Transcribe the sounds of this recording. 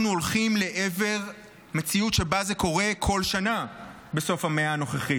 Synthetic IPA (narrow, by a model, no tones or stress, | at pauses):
nuolχimle̞ʔeve̞ʁ | me̞t͡siutʃe̞bazeko̞ʁe̞kʰo̞lʃana | be̞so̞fhameaːno̞χeχi